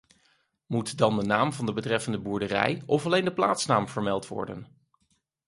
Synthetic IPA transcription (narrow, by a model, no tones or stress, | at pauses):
mutdɑndənaːmvɑndəbətrɛfəndəbuɹdərɛ̰jɔfɑlejndəpla̰ːtsnaːmv̥əɹmɛlˠtʋɔ̰ɹdə̰n